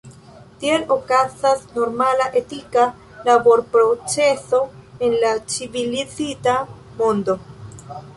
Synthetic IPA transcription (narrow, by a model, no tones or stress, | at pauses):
tie̞lo̞kazasno̞ɾmalaʔe̞tika | labo̞ɾpɾo̞t͡se̞so̞e̞nlat͡sivilit͡sita | mo̞ndo̞